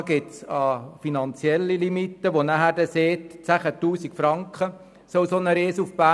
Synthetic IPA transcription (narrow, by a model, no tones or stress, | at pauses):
ɡɪtsɑfinɑnt͡siɛlːilimit̪ːəʋonæɦæːɾd̥ɛseːtt͡sæχətuːsikfɾɑŋkχə | sɔwsonəɾeːsufb̥æː